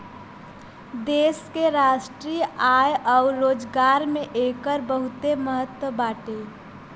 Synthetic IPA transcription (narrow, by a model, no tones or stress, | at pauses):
d̪eːskeɾaʃʈɾijajɔʊɾːoːd͡ʒɡaɾmeʔekəɾbəɦut̪eməɦət̪wəbaːʈe